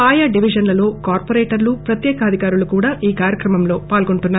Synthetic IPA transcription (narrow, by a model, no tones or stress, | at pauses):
aːjaːɖiʋid͡ʒɐnlɐlo̞ːkaːɾpoɾeːʈɐɾlupɾɐt̪jɛːkɐɐd̪ʱikaːɾulukuːɽaːʔiːkaːɾjɐkɾɐmɐmlo̞ːpaːlɡo̞ɳʈunːaː